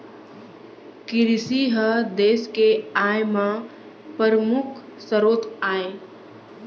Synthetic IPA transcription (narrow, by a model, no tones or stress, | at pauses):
kɪɾɪsiɦəd̪eːskeaːjmã | pəɾəmʊkʰsəɾoːt̪aːeː